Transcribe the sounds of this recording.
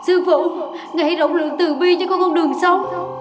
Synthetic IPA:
sɨ˧vṵ˧˨ŋa˨˩ha˨˦jɗo̰˧˨wŋ͡mlɨ̰˧˨əŋt̪ɨ˨˩ɓi˧t͡ɕɔ˧˦kɔ˨˦kɔ˧wŋ͡mɗɨ˨˩əŋsa˧w

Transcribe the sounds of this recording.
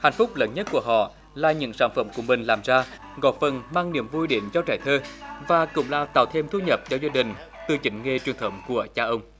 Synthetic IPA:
ha̰˧˨jŋ̟fʊ˦˥k͡p̚ləː˨˦nɲə˦˥t̚ku˧˩əɦɔ̰˧˨ | laː˨˩ɲɨ̰˧˥ŋsaː˧˥nfə˧˩mku˧˩əmï˨˩ŋ̟laː˨˩mzaː˧ | ɣɔ̰˨˩j̚fə˨˩nmaː˧ŋni˧˩əmvu˧jɗḭ˧˩əmzɔ˧t͡ɕaː˧˩jt̪ʰəː˧vaː˨˩kʊ̰˧˥ŋ͡mla̰ː˧˩t̪a̰ː˧˨˩wt̪ʰe˧mt̪ʰu˧ɲə˨˩p̚t͡ɕɔ˧wzaː˧ɗï˨˩ŋ̟ | t̪ɨ˧t͡ɕï˨˦ŋ̟ŋe˧t͡ɕwi˨˩ənt̪ʰə˨˦wŋ͡mku˧˩ət͡ɕaː˧ʔə˧wŋ͡m

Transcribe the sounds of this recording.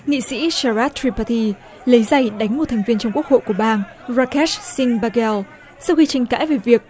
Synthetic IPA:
ŋḭ˧˨sḭ˧˥saː˧˩ɾaː˦˥t̚t̪ʰːɹi˧pa˧t̪ʰi˧ | lə˨˦jza˨˩jɗa˨˦jŋ̟mo˨˩t̪̚ʰjŋ̟vi˧ənt͡ɕɔ˧wŋ͡mku˦˥ək̚ho̰˧˨jku˧˩əɓaː˧n | ɹaː˧kɛ˦˥si˧ŋɓaː˧kɛ˧l | sa˧wxi˧t͡ɕï˨˧˩ŋ̟ka̰ː˧˥jve˨˩vi˨˩ək̚

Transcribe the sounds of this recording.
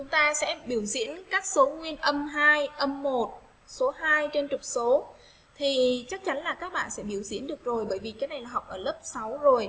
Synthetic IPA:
t͡ɕʊ˨˦ŋ͡mt̪aː˧sɛ̰˧˥ɓi˧˩əwzḭ˧˥ənkaː˦˥k̚so˨˦ŋwi˧ənʔə˧mɦaː˧jʔə˧mːo˨˩t̚ | so˨˦ɦaː˧jt͡ɕe˧nt͡ɕʊ˨˩k͡p̚so˨˦ | t̪ʰi˨˩t͡ɕa˦˥k̚t͡ɕa˨˦nlaː˨˩kaː˦˥k̚ɓa̰ː˧˨nsɛ̰˧˥ɓi˧˩əwzḭ˧˥ənɗɨ˨˩ək̚zo˨˩jɓəː˧˩jvi˨˩kaː˨˦jna˨˩jlaː˨˩ɦɔ˨˩wk͡p̚ʔəː˧˩lə˦˥p̚sa˨˦wzo˨˩j

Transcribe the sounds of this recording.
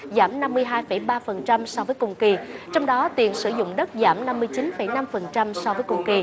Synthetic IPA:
zaː˧˩mna˧mːɨ˧əjɦaː˧jfə˧˩jɓaː˧fə˨˩nt͡ɕa˧msɔ˧vəː˨˦jkʊ˧˩ŋ͡mki˧˩t͡ɕɔ˧wŋ͡mɗɔ˨˦t̪i˨˩ənsɨ˧˩zʊ̰˧˨ŋ͡mɗə˦˥t̚zaː˧˩mna˧mːɨ˧əjt͡ɕi˨˦nfə˧˩jna˧mfə˨˩nt͡ɕa˧msɔ˧vəː˨˦jkʊ˨˧˩ŋ͡mki˧

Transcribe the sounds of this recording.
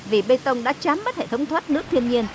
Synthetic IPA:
vi˨˩ɓe˧jt̪ə˧wŋ͡mɗa̰ː˧˥t͡ɕaː˨˦mɓə˦˥t̚hḛ˧˩t̪ə˨˦wŋ͡mt̪ʰwə˦˥t̚nɨ˦˥ək̚t̪ʰi˧ənɲi˧ən

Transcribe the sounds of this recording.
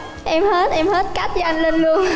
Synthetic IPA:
ʔɛ˧mhe˦˥t̚ʔɛ˧mhe˦˥t̚kaː˦˥k̚a˧˩nlə˧nlɨ˧əŋ

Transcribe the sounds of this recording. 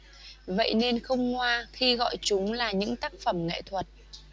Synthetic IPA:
və̰˧˨jne˧nxə˧wŋ͡mŋwaː˧xi˧ɣɔ̰˧˨jt͡ɕʊ˨˦ŋ͡mlaː˨˩ɲɨ̰˧˥ŋt̪aː˦˥k̚fə˧˩mŋḛ˧˨jt̪ʰwə˨˩t̚

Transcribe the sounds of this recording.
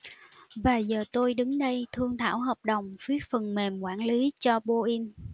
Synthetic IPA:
vaː˨˩zəː˨˩t̪o˧jɗɨ˨˦ŋɗə˧jt̪ʰɨ˧əŋt̪ʰa̰ː˧˩wɦəː˨˩p̚ɗə˨˩wŋ͡mfi˨˦˥ət̚fə˨˩nme˨˩mkwaː˧˩nli˨˦t͡ɕɔ˧ɓo˧ʔi˧n

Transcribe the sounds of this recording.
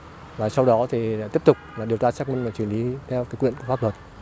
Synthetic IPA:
vaː˨˩sa˧wɗɔ˨˦t̪ʰi˨˩la̰˧˥t̪i˦˥əp̚t̪ʊ˨˩k͡p̚laː˨˩ɗi˨˩əwt͡ɕaː˧saː˦˥k̚mï˧ŋvaː˨˩t͡ɕwi˧˩nʔli˨˦t̪ʰɛ˧wkaː˨˦jkwḭ˧˨ə˨nku˧˩fa˦˥lə˨˩t̚

